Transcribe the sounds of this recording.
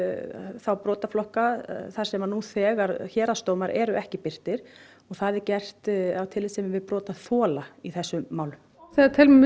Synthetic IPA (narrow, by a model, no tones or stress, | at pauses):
θawpɾɔːt̪aflɔhkaθaɾ̥sɛmanuθɛːɣaɾçɛːɾast̪oːwmaɾʔɛɾʏʔɛhcɪpɪr̥t̪ɪɾ̥ | ɔɣθaðɪcɛr̥t̪awt̪ʰɪlɪsɛmɪvɪðpɾɔːt̪aθɔːlaiθɛsːʏːaːwlʏm | θɛt̪ʰɪl